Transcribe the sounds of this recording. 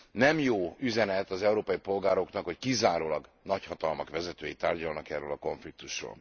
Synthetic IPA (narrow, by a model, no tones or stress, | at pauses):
nɛmjoːyzɛnɛt̪ɒzɛuɾoːpɒjipo̞lɡaːɾo̞knɒkho̞ckizaːɾoːlɒɡnɒchɒt̪ɒlmɒkʋɛzɛt̪øːjit̪aːrɟɒlnɒkɛrːøːlɒko̞ɱflik̚t̪uʃro̰ːl